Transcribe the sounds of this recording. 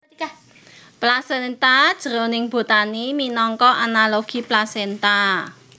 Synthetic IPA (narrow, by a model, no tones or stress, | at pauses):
ka | plasɛnt̪ad̥ʒ̥ə̤ɾonɪŋb̥o̤t̪animinɔŋkɔʔanaloɡ̥i̤plasent̪a